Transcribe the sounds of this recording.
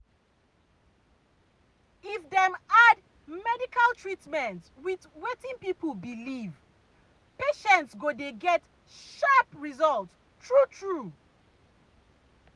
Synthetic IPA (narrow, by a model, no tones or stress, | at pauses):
ifdɛmad | mɛdikalˠtʰɹitmɛ̃ntwitwetĩŋpiplbiliv | peʃɛ̃ntsɡodeɡɛt | ʃapɹizɔlt | tʰɹutʰɹu